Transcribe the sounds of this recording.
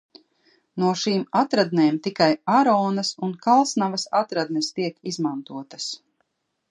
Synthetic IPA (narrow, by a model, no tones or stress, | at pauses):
nuɔʃiːmat̪ɾad̪neːmt̪ikajaɾɔːnɐsunkalˠsnavɐsa̰t̪ɾad̪nest̪iɛkizmant̪uɔt̪ɐ̥s